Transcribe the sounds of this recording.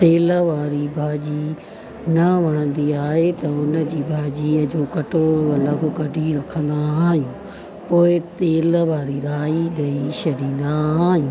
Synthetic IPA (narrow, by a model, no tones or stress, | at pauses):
t̪t̪eːləʋaːɾibʱaːd͡ʑi | nɐʋɐɽ̃ə̃nd̪iaːɦet̪ɐʊnə̆d͡ʑiːbʱaːd͡ʑiːəd͡ʑoːkɐʈoːɾɐlɐɡʊ̆kɐɖʱiɾɐkʰə̃nd̪aɦaːɦijũː | poːɪt̪eːləʋaːɾiɾaːiɗɐit͡ɕʰɐɖĩːnd̪aɦaːɦijũː